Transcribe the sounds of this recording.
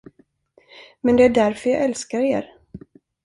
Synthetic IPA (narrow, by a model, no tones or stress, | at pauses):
mɛnd̪ɛæɖæɾfœɾjɑ̰ːʔɛlskaɾḛːɾ